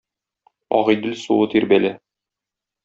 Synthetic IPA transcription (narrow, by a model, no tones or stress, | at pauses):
ɒ̰ʁɤ̆jd̪ɘlsuwɤt̪iɾbælæ